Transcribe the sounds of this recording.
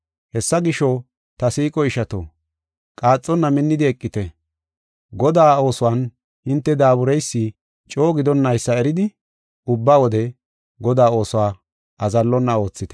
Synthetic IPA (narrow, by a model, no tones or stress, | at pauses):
hɛsːɐɡɪʃɔ | t̪ɐsiːkʼɔɪʃɐt̪o̰ː | kʼaːt͡sʼːɔnːɐmɪnːɪd̪ɪɛkʼːɪt̪ɛ | ɡɔd̪aːo̞ːsʊwaːn | hɪnt̪ːɛd̪aːbʊɾɛjsːi | t͡ʃʼo̞ːɡɪd̪ɔnːɐjsːɐɛɾɪd̪ɪ | ʊbːaːwɔd̪ɛ | ɡɔd̪aːo̞ːsʊwaː | ɐzɐlːɔnːɐo̞ːt͡sːɪt̪ɛ̥